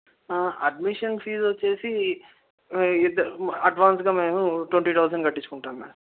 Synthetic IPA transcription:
ɐɖmiʂɐnfiːzʋot͡ʃːe̞ːsi | id̪ɐɐɖʋaːnsɡaːme̞ːmuʈweɳʈiːt̪ʰɐwsɐɳɖɡɐʈːit͡ʃːu̥kuɳʈaːmmḛːnɐm

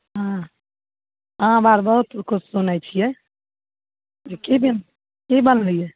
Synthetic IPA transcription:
ɦã | ɦãbaɾbəɦut̪kʰut͡ʃʰsunajt͡ʃʰijɛ | d͡ʒekebin | kibənlijɛ

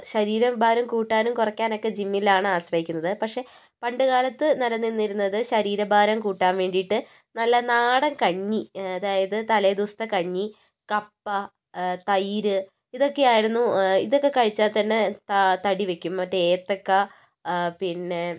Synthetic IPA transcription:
ɕɐɾiːɾɐmbʱaːɾɐmkuːʈːaːnumkurɐkʲːaːno̞kːe̞d͡ʑimːilaːɳɨaːɕrɐɦikʲːunːɐðɨpɐʈʂe̞ | pɐɳɖɨɣaːlɐt̪ːɨnɐɾɐnːinːiɾunːɐðɨɕɐɾiːɾɐbʱaːɾɐmkuːʈːaːnʋe̞ːɳɖijʈːɨ | nɐlːɐnaːɽɐmkɐɲːiɐðaːjɐðɨt̪ɐlɐd̪ust̪ɐkɐɲːi | kɐpːɐ | t̪ɐjɾɨ | iðo̞kːe̞jaːjiɾunːuiðo̞kːe̞kɐɻit͡ɕːaːlt̪ɐnːet̪ɐt̪ɐɽiʋe̞kʲːumɐtːeeːt̪ːɐkːɐ | pinːe̞

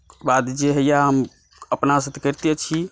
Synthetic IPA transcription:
bad̪d͡ʒeɦəjaɦəm | əpnasət̪ʰekəɾt̪iet͡ʃʰi

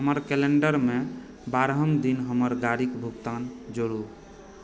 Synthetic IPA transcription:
ɦəməɾkeleɳɖəɾme | baɾɦəmd̪inɦəməɾɡaɽikbʱuɡt̪and͡ʒoɽu

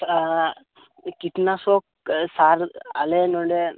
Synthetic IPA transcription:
kit̪nasoːk | saːɾɐlenoɳɖe

